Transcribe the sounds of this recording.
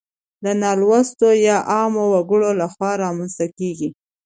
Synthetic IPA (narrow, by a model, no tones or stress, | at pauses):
d̪ənɑlwast̪ojɑʔɑmowaɡəɽolaxwɑɾɑmanst̪akeɡi